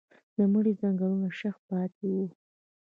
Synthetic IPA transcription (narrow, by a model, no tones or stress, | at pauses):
d̪̥əməɽizɑŋɡalunaʃaxpɑt̪ʰewu